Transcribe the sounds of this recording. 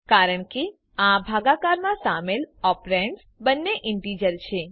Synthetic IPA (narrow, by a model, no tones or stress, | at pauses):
kaɾəɳke | ãbʱaɡakaɾmãsamelɔpɾɛɳʈs | bənːeʔɪɳʈid͡ʒəɾt͡ʃʰe